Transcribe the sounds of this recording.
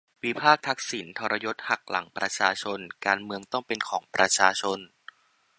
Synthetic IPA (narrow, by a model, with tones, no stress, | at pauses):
wi˦˥pʰaː˥˩k̚t̪ʰa˦˥k̚si˩˦nt̪ʰɔː˧ɾa˧jo˦˥t̪̚ha˨˩k̚la˩˦ŋpɾa˧t͡ɕʰaː˧t͡ɕʰo˧nkaː˧nmɯ˧əŋt̪ɔ˥˩ŋpe˧nkʰɔː˩˦ŋpɾa˧t͡ɕʰaː˧t͡ɕʰo˧n